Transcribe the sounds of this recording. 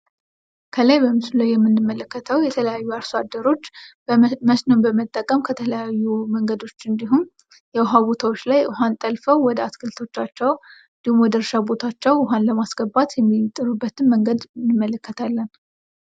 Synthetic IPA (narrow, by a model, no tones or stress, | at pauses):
kʰəlajbəmɨsulajjɛmːɨnːɨmːələkːət̪ʰəwjɛt̪ʰələjajːuaɾsad̪ːəɾo̞t͡ʃː | məsnombəmət̪ʼːəkʼəmkʰət̪ʰələjajːuməŋɡəd̪o̞t͡ʃːɨnd̪iɦum | jɛʊɦabo̞t̪ʰawot͡ʃːlajʔɨɦant̪ʼəlfəwwːɔd̪əat̪kʰɨlt̪ʰo̞t͡ʃːat͡ʃːɛwɨnd̪ihumwɔd̪əɾʃabo̞t̪ʰat͡ʃːɛwɪɦanləmasɡəbːat̪jɛmːit̪ʼːɨɾubːət̪ʰɨmːəŋɡəd̪nːɨmːələkːət̪ʰalːən